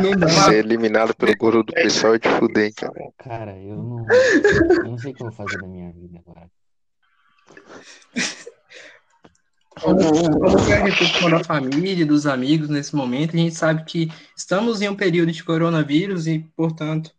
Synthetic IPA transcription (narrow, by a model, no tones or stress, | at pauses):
mẽd̪ɐ̃aeelimĩnad̪ʊpelʊɡoɾʊd̪ʊpeswawd͡ʒɪfud̪ẽka̰nɛkaɾɐẽ | ofazeɐmĩɲɐvid̪ɐ | õmkõmʊkɛɦẽt̪ekõd̪ɐfamiliɐd̪ʊzamiɡʊznesɪmõmẽnt̪ʊɐʒẽnt͡ʃɪ̥sabɪkɪɪst̪ɐ̃mʊzẽũpeɾiwd̪ʊd͡ʒɪkoɾõnɐviɾʊzɪpoɾt̪ɐ̃nt̪ʊ̥